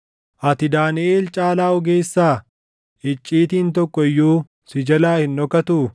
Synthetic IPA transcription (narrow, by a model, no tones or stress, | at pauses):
ʔɐt̪ɪd̪aːnɪʔeːlt͡ʃʼaːlaːɔɡe̞ːsːaː | ʔɪt͡ʃʼːiːt̪iːnt̪ɔkːɔɪjːoː | sɪd͡ʒɐlaːhɪnːɔkɐt̪u